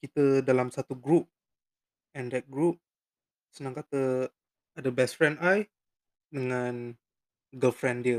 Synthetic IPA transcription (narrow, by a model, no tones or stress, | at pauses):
kit̪ədalamsat̪uɡɾup̚ | ɛ̃ndɛt̚ɡɾup̚ | sənãŋkat̪ə | adəbɛsfɹɛ̃ndaj | dəŋãn | ɡəlfɾɛ̃ndiə